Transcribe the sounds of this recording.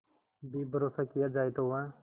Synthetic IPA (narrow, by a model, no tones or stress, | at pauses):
biːbʱəɾoːsaːkɪjaːd͡ʒaːet̪oʋãː